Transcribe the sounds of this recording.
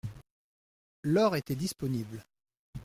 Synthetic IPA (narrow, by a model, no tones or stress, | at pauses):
lɔʁet̪ɛd̪ispɔnibl